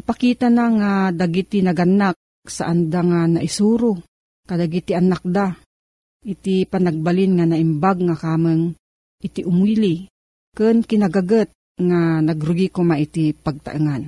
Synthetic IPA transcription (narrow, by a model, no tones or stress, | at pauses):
pakiːt̪anaŋad̪aɡit̪inaɡanːak̚ | saʔand̪aŋanaʔisuːɾʊ | kad̪aɡit̪iʔanak̚d̪a | ʔit̪ipanaɡ̚balɪnŋanaɪmbaɡ̚ŋakaːmɨŋ | ʔɪt̪iʔʊmuili | kɨnkɪnaɡaɡət̪̚ŋanaɡɾʊɡikomaʔit̪ipaɡ̚t̪a̰ʔɨŋan